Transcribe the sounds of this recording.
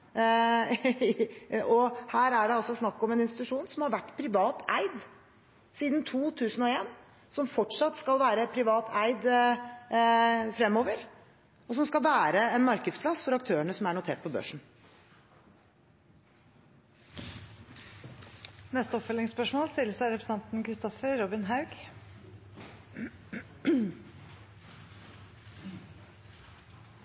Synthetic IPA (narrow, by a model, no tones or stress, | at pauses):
ɔhæːɾæɖɛɑlsɔsnɑkːɔmɛnɪnst̪ɪt̪ʉʂuːnsɔmhɑɾʋæʈːpʰɾɪʋɑːt̪æɪd̪ | siːd̪n̩t̪ʰuːt̪ʰʉːsən̩ɔeːn | sɔmfɔʈʂɑt̪ːskɑlʋæːɾəpʰɾɪʋɑːt̪ʰæɪd̪ | fɾɛmːoːʋəɾ | ɔs̬ɔmskɑlʋæːɾəɛnmɑɾkəd̪spʰlɑsfɔɾɑk̚t̪ʰøːəɳəsɔmæɳʊt̪ʰeːʈ̚pʰɔbø̰ːʂɳ̩ | nɛst̪əɔpfœlɪŋspœʂmoːlst̪ɪlːəsʂæɪɾɛpɾsəɑnt̪n̩kʰɾɪst̪ɔfəɾɔbɪnɦɑʉɡ̥